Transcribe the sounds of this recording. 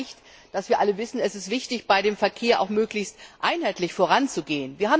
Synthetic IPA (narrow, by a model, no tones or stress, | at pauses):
çt | d̥asv̥iːɐʔaləvɪsn̩ɛsɪstv̥ɪçtɪçb̥aɪɾeːmfɛɐkʰeːɐʔa̰ʊxmøːklɪçstʔaɪnɦaɪtlɪçfoːʁant͡suɡeːənviːɐhaːb